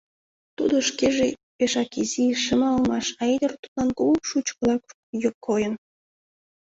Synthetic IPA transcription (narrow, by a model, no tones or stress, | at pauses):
t̪ud̪oʃkeʒepeʃɑkiziʃəmɑlmɑʃɑed̪ərt̪u̥t̪lɑnkuɣupʃut͡ɕkəlɑk | jokʰːojən